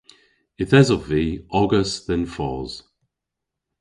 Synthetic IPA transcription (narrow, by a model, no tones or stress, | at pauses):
ɪθɛzɔviːɔɡəsðɪnfɔ̰ːz̥